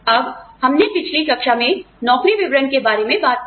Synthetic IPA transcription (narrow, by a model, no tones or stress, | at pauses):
ɐbhɐmnepɪt͡ʃʰlikɐkʃamẽ | nɔːkɾiʋɪʋɾənkebaːɾemẽbaːt̪̚